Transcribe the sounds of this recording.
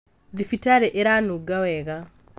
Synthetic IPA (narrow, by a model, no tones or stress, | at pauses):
ðifitaɾeʔeɾanuɡawɛɣa